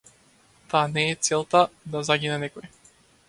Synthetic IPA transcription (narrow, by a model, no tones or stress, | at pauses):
t̪aanɛːt̪sɛlˠt̪ad̪azaɡʲinɛnɛkɔj